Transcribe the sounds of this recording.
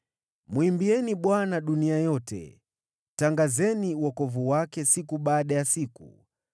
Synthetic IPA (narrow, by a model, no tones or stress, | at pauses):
mwimbiɛniɓwanaɗuniajɔtɛ̰ | taŋɡazɛniwɔkɔvuwakɛsikuɓaːɗajasikṵ